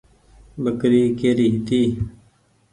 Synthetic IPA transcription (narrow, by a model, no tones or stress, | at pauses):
bəkɾiːkeːɾiɦt̪iː